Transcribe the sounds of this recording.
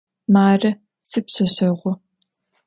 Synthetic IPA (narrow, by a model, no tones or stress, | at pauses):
maːrɐ | sɨpɕɐɕɐʁʷʊ